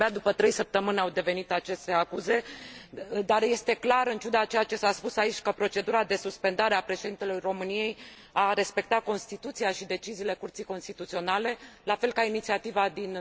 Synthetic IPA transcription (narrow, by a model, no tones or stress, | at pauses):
bad̪upət̪ɾe̞jsəp̚t̪əmɨnʲawd̪e̞ve̞nit̪at͡ʃe̞st̪e̞akuze̞ | d̪arje̞st̪e̞klaɾɨnt͡ʃud̪at͡ʃejat͡ʃe̞saspusait͡ʃʲkəpɾo̞t͡ʃe̞d̪uɾad̪e̞suspe̞nd̪aɾeapɾe̞ʃe̞d̪int̪e̞lujro̞mɨnije̞j | aɾe̞spe̞k̚t̪ako̞nst̪it̪ut̪sijaʃid̪e̞t͡ʃiziːle̞kurt̪sijko̞nst̪it̪ut̪sio̞nale̞lafe̞lkainit̪siat̪ivad̪in